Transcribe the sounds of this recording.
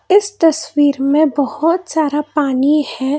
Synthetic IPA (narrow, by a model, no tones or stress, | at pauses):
ɪst̪ɐswiːɾmẽbɐhʊt̪saːɾapaːnihɛː